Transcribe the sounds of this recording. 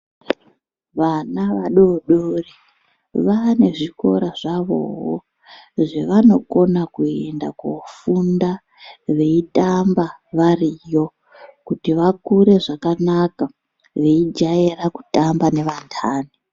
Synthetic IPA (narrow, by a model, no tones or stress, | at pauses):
ʋanaʋaɗoɗori | ʋane̞ʐiko̞ɾaʐaʋo̞̰ɦo̰ | ʐe̞ʋano̞ko̞nakuee̞nda̰kofunda | ʋe̞itambaʋarijo̞ | kutiʋakuɾe̞ʐakanaka | ʋe̞id͡ʒajeraku̥tambane̞ʋantʰaːni